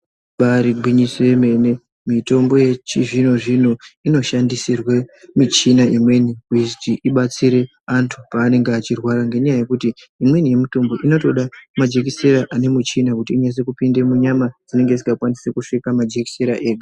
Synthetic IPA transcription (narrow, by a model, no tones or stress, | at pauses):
ɓaɾiɡʱwiɲisoeme̞ne̞ | mito̞mbo̞je̞t͡ʃiʐinoʐin̤uino̞ʃandisirwemit͡ʃinaimwe̞niuiztiʔiɓat͡siɾe̞ | antʰupaːne̞ŋɡeat͡ʃirwaɾaŋɡe̞ɲajaje̞kuti | imwe̞nije̞mutombo̞ʔino̞to̞ɗamad͡ʒe̞kiseɾaʔane̞mut͡ʃinakutiːɲas̬e̞kupinde̞muɲamad͡zine̞ŋɡe̞ziŋkakwanisekuʂikamad͡ʒeki̥seɾaʔeːɡa